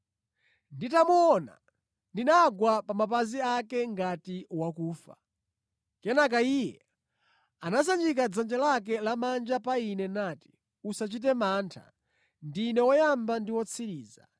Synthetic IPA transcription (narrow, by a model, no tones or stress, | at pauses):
nditamuɔna̰ | ndinaɡwapamapaziakɛŋɡatiwakuːfa̰ | kɛnak̬aiːjɛ | anas̬and͡ʒik̬ad͡zand͡ʒɛlak̬ɛlamand͡ʒapainɛnaːti̥ | usat͡ʃit̬ɛmaːntʰa̰ | ndiːnɛwɔjambandiwɔt͡sʰiɾiːza̰